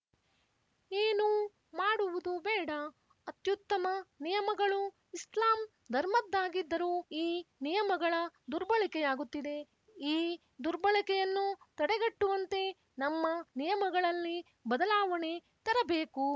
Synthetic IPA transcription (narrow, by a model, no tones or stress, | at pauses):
eːnu | maːɽuʋud̪ubɛːɽɐ | ɐt̪jut̪ːɐmɐnijɐmɐɡɐɭu | islaːm | d̪ʱɐɾmɐd̪ːaːɡid̪ːɐɾuːiːnijɐmɐɡɐɭɐd̪uɾbɐɭikɛjaːɡut̪ːid̪e̞ | iː | d̪uɾbɐɭikɛjɐnːut̪ɐɽeɡɐʈːuʋɐnt̪e̞ | nɐmːɐnijɐmɐɡɐɭɐlːi | bɐd̪ɐlaːʋɐne | t̪ɐɾɐbeːku